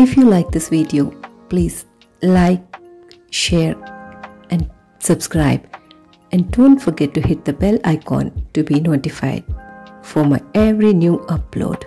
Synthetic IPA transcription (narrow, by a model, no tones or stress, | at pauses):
ɪfjulaɪk̚d̪ɪsʋiɖiopliːz̥ | laɪk̚ | ʃeːɾ | ʔɛ̃n | sʌbskɾaɪb | ʔɛ̃ndõːnʈfɔɾɡɛʈːuhɪʈ̚d̪əbɛlaɪkɔ̰̃nʈubinoːʈifa̰ɪɖ̚fɔmaɪɛʋɾinjuːʔʌplo̰ːɖ